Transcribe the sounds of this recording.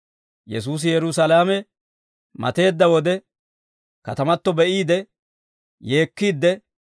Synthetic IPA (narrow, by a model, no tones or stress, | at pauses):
jɛs̬uːs̬ɪjɛɾʊsɐlaːmɛ | mɐ̰t̪e̞ːd̪ːɐwɔd̪ɛ | kɐt̪ɐmɐt̪ːɔbɛʔiːd̪ɛ | je̞ːkːiːd̪ːɛ